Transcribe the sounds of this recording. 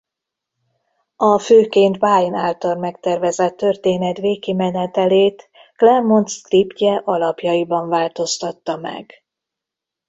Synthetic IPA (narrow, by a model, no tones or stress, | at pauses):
ɒføːkeːnt̪baːinaːlt̪ɒrmɛkt̪ɛrvɛzɛt̪ːø̞rt̪eːnɛt̪veːkimɛnɛt̪ɛleːt̪ | klɛrmo̞nskripcɛʔɒlɒpjɒibɒɱvaːlt̪o̞st̪ɒt̪ːɒmɛ̰ɡ